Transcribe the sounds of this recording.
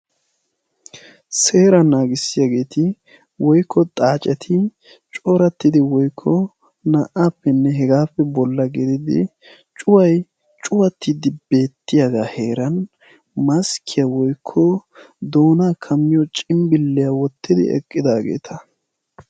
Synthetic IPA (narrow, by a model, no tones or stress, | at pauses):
se̞ːɾɐnaːɡɪsːɪjaɡe̞ːt̪ɪ | wɔjkːɔt̪ʼaːt͡ʃʼɛt̪ʰɪ | t͡ʃʼɔɾɐt̪ːɪd̪ɪwɔjkʰːɔ | nɐʔaːpːɛnːɛɦɛɡaːpːɛbɔlːɐɡɪd̪ɪd̪ɪ̰ | t͡ʃʼʊwɐj | t͡ʃʼʊwɐt̪ːɪd̪ɪbe̞ːt̪ːɪjaɡaːhe̞ːɾɐn | mɐskʰːɪjawɔjkʰːɔ | d̪o̞ːnaːkʰɐmːɪjɔt͡ʃʼɪmbɪlːɪjawɔt̪ːɪd̪ɪ̰ɛ̰kʼːɪd̪aːɡḛːt̪ʰɐ